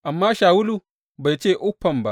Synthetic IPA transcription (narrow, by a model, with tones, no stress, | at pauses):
ʔa˨mːaː˦ʃaː˨wʊ˦lu˨ | ba˨jt͡ʃeː˦˨ʔʊ˦ɸːɐ˨mba˦ʔ